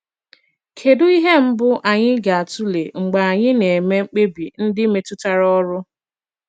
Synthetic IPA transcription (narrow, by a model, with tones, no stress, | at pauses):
kʰe˨dʊ˦i˦ɦe˦m̩˦bʊ˦ʔa˨ɲɪ˦ɡa˨a˨tu˦le˨ŋ͡m̩˨ɡ͡ba˨a˨ɲɪ˦ne˨me˦ŋ͡m̩˦k͡pe˦bi˨n̩˦dɪ˦me˨tʊ˦ta˦ɾɔ˦ɾʊ˦